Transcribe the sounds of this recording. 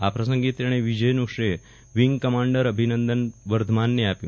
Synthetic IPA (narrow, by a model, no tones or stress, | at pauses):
a̰pɾəsə̃ŋɡiːt̪ɾeɽ̃eʋid͡ʑəjnukʂe | ʋiŋɡkəmaɳɖəɾəbʱinənd̪ənʋəɾd̪ʱmanːeapjṵ̃